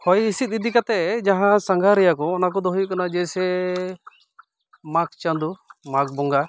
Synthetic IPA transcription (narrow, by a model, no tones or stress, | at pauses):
hɔjisit̪̚id̪ikat̪ɛd͡ʒaɦãsaŋɡʱaɾɛjakɔːnak̬ɔd̪ɔɦujukanad͡ʒɛsɛ | mak̚t͡ʃand̪umak̚bɔŋɡa